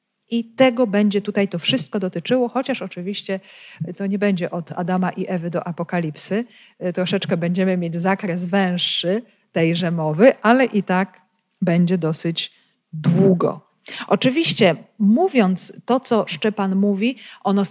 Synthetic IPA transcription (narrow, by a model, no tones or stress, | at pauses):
ʔit̪ɛɡɔbɛɲd͡ʑɛt̪ut̪ajt̪ɔfʂɘst̪̚kɔd̪ɔt̪ɘt͡ʂɘwɔxɔt͡ɕaʂɔt͡ʂɘvʲiɕt͡ɕɛt̪ɔɲɛbɛɲd͡ʑɛʔɔt̪a̰d̪amaʔiʔɛvɘd̪ɔʔapɔkalʲipsɘ | t̪ɾɔʂɛt͡ʂkɛbɛɲd͡ʑɛmɘmʲjed͡ʑzakɾɛsvɛ̃w̃ʂːɘ | t̪ɛjʐɛmɔvɘʔalɛʔit̪ak | bɛɲd͡ʑɛd̪ɔsɘd͡ʑ | d̪wuɡɔ̰ | ʔɔt͡ʂɘvʲiɕt͡ɕɛmuvʲjɔnt̪st̪ɔt̪sɔʂt͡ʂɛpanmuvʲiʔɔnɔ